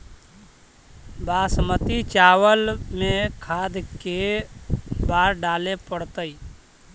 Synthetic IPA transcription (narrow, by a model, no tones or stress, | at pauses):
baːsmət̪it͡ʃaːwəlmẽkʰaːd̪ke | baːɾɖaːlepəɽt̪əi